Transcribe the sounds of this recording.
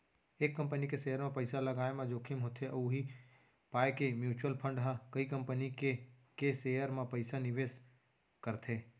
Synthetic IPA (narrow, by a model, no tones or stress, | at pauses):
eːkːɐ̃mpənikeseːəɾmẽpəɪsalɐɡaːemãd͡ʒoːkʰimɦoːt̪ʰeʔuɦi | paːekemjuːt͡ʃuəlpʰə̃ɳɖɦãkəikə̃mpənikekeseːjəɾmẽpəɪsanɪʋeːs | kəɾt̪ʰeː